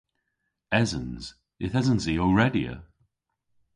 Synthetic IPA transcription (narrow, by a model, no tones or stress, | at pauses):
ɛzə̃nz̥ | ɪθɛzə̃nziəɹɛdiə̰